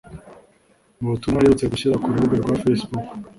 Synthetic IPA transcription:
uβutumŋaɾiɾut͡se̞ɡuɕiɾakuɾuβuɡeɾɡwafesbuk

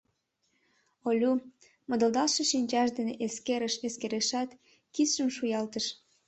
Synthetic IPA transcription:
olʲu | mə̆d̪əld̪ɑlʃɤʃinʲt͡ɕɑʃd̪eneʔeskeɾəʃeskeɾeʃɑt̪ | kit͡sʃəmʃujɑlt̪əʃ

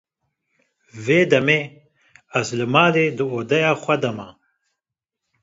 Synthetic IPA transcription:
veːd̪ɛmeː | æzlɨmaːleːd̪ɨoːd̪ɛjaːxʷɛd̪ɐma

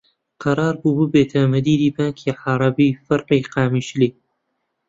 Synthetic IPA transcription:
qɑɾɑːɾbuːbɨbeːt̪ʰɐmɨd̪iːɾiːbaːŋkʰiːʕɑɾˤɑbiːfɐɾqiːqaːmiːʃliː

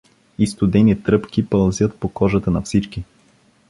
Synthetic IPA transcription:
ist̪ʊd̪ɛnit̪ɾɤpkipɐlˠzʲjət̪pokɔʒət̪ənɐfsit͡ʃki

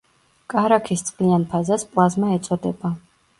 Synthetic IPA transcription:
kʼaɾakʰist̪sʼqʼlianpʰazaspʼlˠazmaɛt̪sʼɔd̪ɛba

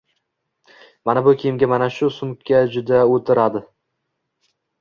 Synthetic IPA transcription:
manabʊkʲʰejɪmɡʲamanaʃʊsʊmkʲʰːad͡ʒʊd̪aot̪ʰɪɾad̪ɪ

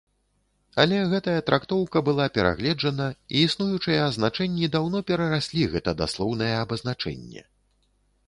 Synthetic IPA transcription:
ɐlʲɛɣɛt̪ɐjɐt̪ɾʔakt̪ɔwkɐbɨlˠapʲɛɾa̰ɣlʲɛd͡ʐɐnɐiːsnujut͡ʂɨjɐɐznat͡ʂɛnʲːid̪awnɔpʲɛɾɐɾasʲlʲiɣɛt̪ɐd̪a̰slˠɔwnɐjɛːbɐznat͡ʂɛ̰nʲːɛ̰

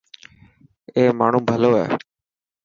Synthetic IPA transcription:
eːmaːɳũːbʱəloːɛ̰ː

